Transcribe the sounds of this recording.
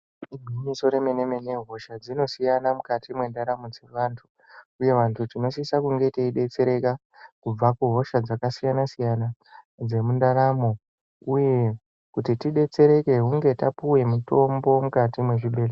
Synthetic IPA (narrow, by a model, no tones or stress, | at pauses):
imiɲiso̞ɾeme̞ne̞me̞ne̞ɦo̞ʃad͡zino̞sijanamukatʰimwe̞ndaɾamod͡ze̞ʋaːntʰu | uje̞ʋantʰut͡ʃino̞sisakuŋɡe̞teiɗe̞t͡se̞ɾe̞ka | kub͡vakuɦo̞ʃad͡zakasijanasijana | d͡ze̞mundaɾamo̞ | uje̞ | kutitiɗe̞t͡se̞ɾe̞ke̞ɦuŋɡe̞tapuwe̞muto̞mbo̞mukatimwe̞ʐiɓe̞ːle